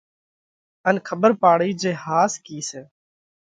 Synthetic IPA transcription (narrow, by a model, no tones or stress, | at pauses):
ənkʰəɓəɾpaːɽiːd͡ʒeːhaːskiːseː